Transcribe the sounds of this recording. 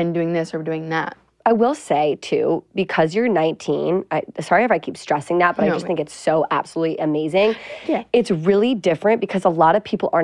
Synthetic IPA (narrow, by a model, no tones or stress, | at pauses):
ɨ̃ndʉɪ̃ŋðɪsə˞dʉɪ̃ŋðæ̰t̚ | aɪwɪlˠseɪtʰʉ̰b̥ɨkʰʌzjə˞nãɪ̃ntʰḭ̃naɪsɑɹifɹaɪkʰipstɹ̥ɛsɪ̃ŋðæt̚b̥ʌɾaɪd͡ʒʌst̪θɪ̃ŋkɨtsoʊʔæ̰b̥səlutˡlḭʔɨmeɪzɪ̃ŋɨtsɹɪlˠidɪfɹɨ̃nb̥ɨkʰʌzəlɔɾʌv̥pʰipl̩ˠə˞